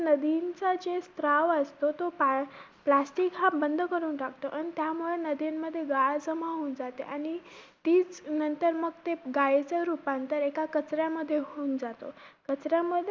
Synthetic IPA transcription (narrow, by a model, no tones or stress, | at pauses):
nəd̪int͡sad͡ʑest̪ɾaʋəst̪ot̪op | plasʈiːkɦabənd̪ʱkəɾuːnʈak̚ʰt̪oʔañit̪jamuɭenəd̪inməd̪ʱːjeɡaɭsəmaɦuːnd͡zat̪eʔaɽ̃it̪iːt͡snənt̪əɾməɡt̪eɡajet͡saɾupãnt̪əɾekakət͡sɾjaməd̪ʱːjeɦoːnd͡zat̪o̰kət͡sɾjaməd̪ʱː